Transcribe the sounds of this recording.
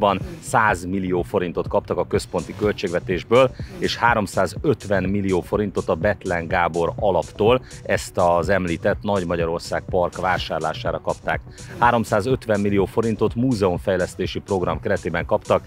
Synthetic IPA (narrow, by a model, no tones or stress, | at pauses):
bɒnsaːzmilijoːfo̞ɾin̪t̪o̞t̪kɒpt̪ɒkɒkø̞spo̞nt̪ikø̞lt͡ʃeːɡʋɛt̪eːʒbøːleːʃhaːɾo̞msaːzøt̪ʋɛnmilːijoːfo̞ɾin̪t̪o̞t̪ɒbɛt̪lɛŋɡaːbo̞ɾɒlɒpt̪oːlɛst̪ɒzɛmliːt̪ɛt̪nɒɟmɒɟɒɾo̞rsaːɡ̚pɒrkʋaːʃaːrla̰ːʃaːɾɒkɒpt̪a̰ːk | haːɾo̞msaːzø̞t̪ʋɛmːilijoːfo̞ɾint̪o̞t̪muːzɛoɱfɛjlɛst̪eːʃipro̞ɡrɒmkɛɾɛt̪eːbɛŋkɒpt̪ɒk